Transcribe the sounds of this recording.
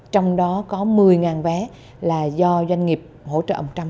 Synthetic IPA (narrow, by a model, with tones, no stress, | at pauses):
t͡ɕɔ˧wŋ͡mɗɔ˨˦kɔ˨˦mɨ˨˩əjŋaː˨˩nvɛː˨˦ | laː˨˩zɔ˧zwa˧jŋ̟ŋi˨˩əp̚ho̰˧˥t͡ɕə̰ː˧˨ʔə˧˨˩t͡ɕa˧wŋ͡m